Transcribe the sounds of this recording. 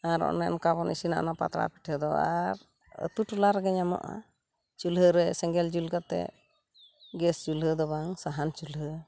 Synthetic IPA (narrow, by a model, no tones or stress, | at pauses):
aɾɔ̰ʔnɛɔmkabɔnḭsina̰ʔnapa̰t̪ɾa̰pi̥ʈʰhəd̪ɔaɾ | ə̰t̪uʈulaɾɛɡɛɲamɔ̰ʔa̰ | t͡ʃulɦəɾɛsɛŋɡɛld͡ʒulɡat̪ɛ̰ | ɡɛsd͡ʒulɦəd̪ɔbaŋsaɦant͡ʃulɦə